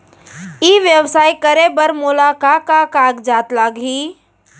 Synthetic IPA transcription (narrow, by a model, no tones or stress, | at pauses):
iːʋjəwsaːikəɾebəɾmʊlakakakaːkd͡ʒaːt̪laːɡɦiː